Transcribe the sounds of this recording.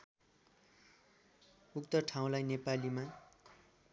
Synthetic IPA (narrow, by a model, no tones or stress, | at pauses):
ukt̪ʌʈʰaw̃lajnepalima